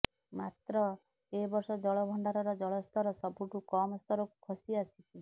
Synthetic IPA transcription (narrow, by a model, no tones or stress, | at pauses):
mat̪ɾɔ | ebɔɾsɔd͡ʒɔɭɔbʱɔɳɖaɾɔɾɔd͡ʒɔɭɔst̪ʰɔɾɔsɔbʱuʈukɔmɔst̪ɔɾɔku̥kʰɔsiasit͡ʃʰi